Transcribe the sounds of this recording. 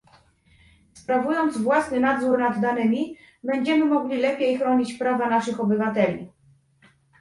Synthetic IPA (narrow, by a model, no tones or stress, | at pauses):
spɾavujɔnd̪zvwasnɘnad̪zuɾnad̪ːanɘmʲi | bɛɲd͡ʑɛmɘmɔɡlʲilɛpʲjejxɾɔɲit͡ɕpɾavanaʂɘxɔbɘvat̪ɛlʲḭ